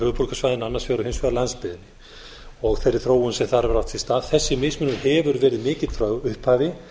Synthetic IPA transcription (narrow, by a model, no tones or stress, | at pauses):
ʏːðpuɾkasvaːjðɪnanːaɾsfjœːɾʏhensvœɣaɾlanspɪðɪnɪ | ɔɣθejɾːɪθɾoːwʏnsɛmθaɾɛvʏɾawt̪fɪlst̪aːðθɛsːɪmɪsmʏnʏɾhɛvʏɾvɛːɾɪðmɪːcɪðθɾœɣʏhphaːvɪ